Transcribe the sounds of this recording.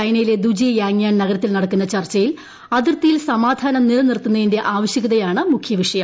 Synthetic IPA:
ɐjnɐjile̞d̪ud͡ʑijjaːŋjaːnnɐɣɐɾɐt̪ːilnɐɽɐk̪ːunːɐt͡ɕɐrt͡ɕːɐjil | ɐðirt̪ːijilsɐmaːd̪ʱaːnɐmniɾɐnirt̪ːunːɐðinde̞ʔaːʋɐɕjɐɣɐðɐjaːɳɨmukʰjɐʋiʂɐjɐm

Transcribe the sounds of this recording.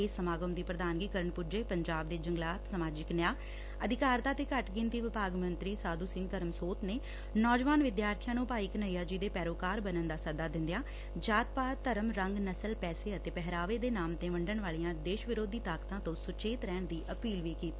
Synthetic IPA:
eːsːəmaːɡəmd̪iːpɾəd̪aːnɡiːkəɾəɳpud͡ʒeːpəɲd͡ʒaːb̚d̪eːd͡ʒəŋɡlaːt̪səmaːd͡ʒɪknjaː | əd̪ɪkaːɾt̪aːt̪eːkəʈɡɪnd̪iːʋɪpaːɡmənt̪ɾiːsaːd̪uːsɪ̃ŋɡt̪əɾəmsoːt̪neː | nɔːd͡ʒʋaːnʋɪd̪jaːɾt̪ʰijãːnũːpaːiːkənəːiːjaːd͡ʒɪd̪eːpɛːɾoːkaːɾbənənd̪aːsəd̪aːd̪ɪ̃nd̪ejaː | d͡ʒaːt̪̚paːt̪ːəɾəmɾəŋɡnəsəlpɛːseːət̪eːpɛɦɾaːʋeːd̪eːnaːmt̪ẽːʋəɳɖəɳʋaːlijãːd̪eːʃʋɪɾoːd̪iːt̪aːkt̪ãːt̪õːsʊt͡ʃeːt̪ɾɛːɳd̪iːʔəpiːlʋiːkiːt̪iː

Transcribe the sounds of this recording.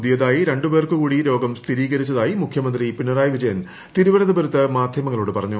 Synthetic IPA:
ðijɐðaːjiɾe̞ɳɖubeːrkɨkuːɽiɾo̞ːɡɐmst̪ʰiɾiːɣɐɾit͡ɕːɐðaːjimukʰjɐmɐnd̪ripinːɐraːjɐʋid͡ʑɐjɐn | t̪iɾuʋɐlɐðɐbɐɾut̪ːɨmaːd̪ʱjɐmɐŋːɐɭoːɽɨpɐrɐɲːu

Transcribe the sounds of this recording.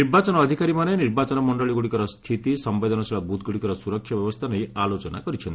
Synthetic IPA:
niɾbat͡ʃɔnɔːd̪ʱikaɾimaneniɾbat͡ʃɔnɔmɔɳɖɔɭiɡuɽikɔɾɔst̪ʰit̪isɔmbed̪ʱɔnɔsʰiɭabut̪̚ɡuɽikɔɾɔsuɾɔkʰːjɔbjɔbɔst̪ʰanɔialot͡ʃɔna̰kɔɾit͡ʃʰɔnt̪

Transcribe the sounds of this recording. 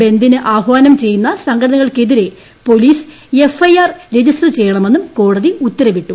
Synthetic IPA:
be̞nd̪inɨʔaːɦʋaːnɐmt͡ɕe̞jːunːɐsɐŋɡʰɐʈɐnɐɣɐɭke̞ðiɾe̞ | po̞liːs | efɐjaːrɾed͡ʑisʈɐt͡ɕe̞jːɐɳɐme̞nːumko̞ːɽɐðiut̪ːɐɾɐʋiʈːu

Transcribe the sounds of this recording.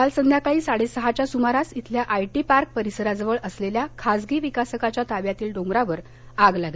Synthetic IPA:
alsənd̪jakaɭiːsaɽesəɦat͡ɕjasumaɾasit̪ʰljaʔajʈipaɾk̚pəɾisəɾad͡zʋəɭʔəsleljakʰasɡiːʋikasəkat͡ɕjat̪aʋjat̪iːlɖõŋɡɾaʋəɾ | aɡlaɡle

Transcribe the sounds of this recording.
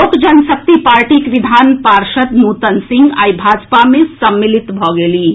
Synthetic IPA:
oːkd͡ʒɐnsək̚t̪ipaːɾʈiːkʋɪd̪ʱaːnpaːɾʃət̪nuːt̪ənsɪ̃ŋɡa̰ːjbʱaːd͡ʒpamẽsɐmːɪlɪt̪bʱɔːɡeliː

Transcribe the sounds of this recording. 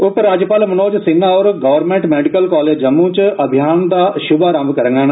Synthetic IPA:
ʊk̪ɾaːd͡ʒjəpaːlmənoːd͡ʒsɪnːaːɔːɾɡəːʋəɾmẽːɳʈmɛːɖɪkəlkɔːleːd͡ʒəmũːt͡ʃəbʱɪjaːnd̪aːʃʊbaːɾamkəɾəŋɡaːn

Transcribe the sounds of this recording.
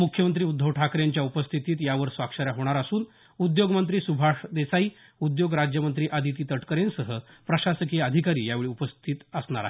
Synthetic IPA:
mukʰjəmənt̪ɾiːud̪ʱːəʋʈʰakɾjaɲt͡ɕjaupəst̪ʰit̪iːt̪jaʋəɾsʋakʂəɾjaɦoɽ̃aɾasuːn | ud̪joɡmənt̪ɾiːsubʱaʂd̪esaiː | ud̪joɡɾad͡ʑjəmənt̪ɾiːʔad̪it̪̬iːt̪əʈkəɾensəɦəpɾəɕasəkiəd̪ʱikaɾiːjaʋeɭiːupəst̪ʰiːt̪əsɳaɾa̰ɦ

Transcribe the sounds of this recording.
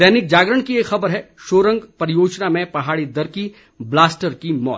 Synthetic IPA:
d̪ɛːnɪk̚d͡ʒaːɡɾəɳ̃kieːkxɐbəɾɦɛʃoːɾə̃ŋɡpɐɾɪjoːd͡ʒnamẽpɐɦaːɽid̪ɐɾki | blaːsʈəɾkimɔ̰ːt̪

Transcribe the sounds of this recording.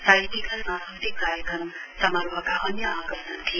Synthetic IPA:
saɦit̪ikasãsʌt̪ikkaɾjʌkɾʌm | sʌmʌɾbʱʌkaʔʌnjʌaɡʌsʌnt̪ʰi

